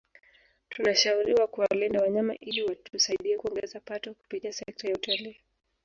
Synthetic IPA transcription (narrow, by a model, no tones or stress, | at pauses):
tʰunaʃauɾiwakuwalindawaɲama̰ʔiliwatusaiɗiɛkuɔŋɡɛzapatɔku̥pitiasɛk̚tajautaliː